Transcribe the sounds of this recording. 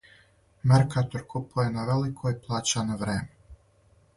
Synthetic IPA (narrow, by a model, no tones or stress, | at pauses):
meɾkat̪oɾkʰupojenaʋelikʰoiplˠaːt͡ʃaneʋɾḛːme